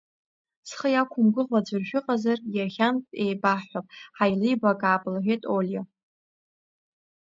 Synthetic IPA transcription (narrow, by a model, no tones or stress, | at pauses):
sχəjakʷʰʊmɡʷʊʁʷad͡ʒʷʊrʒᶣʊqʼazarjaχʲantʼejbaħʷapʼħajlijbakʼaːpʼlaʕʷᶣetʼolʲja